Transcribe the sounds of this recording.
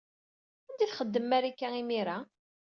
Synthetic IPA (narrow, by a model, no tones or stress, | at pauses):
ænd̪iθχəd̪ːəmːæɾikːæimiɾa